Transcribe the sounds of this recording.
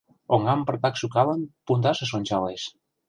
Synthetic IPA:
oŋɡampəɾt̪aksukalənpunt̪asəsonʲt͡ʃales

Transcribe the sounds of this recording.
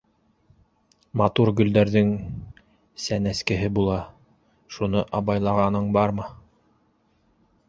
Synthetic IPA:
mɑt̪uɾɡɵ̆ld̪æɾðɘŋ | sænæskɘ̆ɦɘbulˠɑ | ʃunɤʔɑβɑjlˠɑʁɑnɤɴbɑɾmɤ

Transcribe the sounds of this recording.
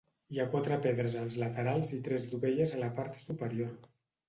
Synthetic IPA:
iakwat̪ɾəpeðɾəzəlˠzlət̪əɾalˠzit̪ɾɛzðuβeʎəzələpaɾt̪supəɾioɾ

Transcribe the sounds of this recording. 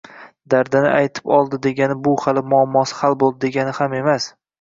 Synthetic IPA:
d̪aɾd̪anɪ̰ʔajt̪ʰɪ̥pɒlˠd̪ɪd̪e̞ɡʲanɪbʊhalɪmʊɒmːɒsɪ̥halˠbolˠd̪ɪd̪e̞ɡʲanɪhame̞mas

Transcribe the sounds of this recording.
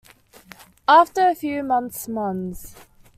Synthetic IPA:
ɑˑftəɹəfjʉːmʌ̃nθsmʌ̃ns

